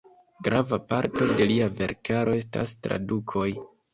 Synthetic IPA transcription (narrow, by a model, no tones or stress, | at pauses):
ɡɾavapaɾto̞de̞liave̞̰ɾkʰaɾo̞e̞sta̰stɾa̰dukʰo̞j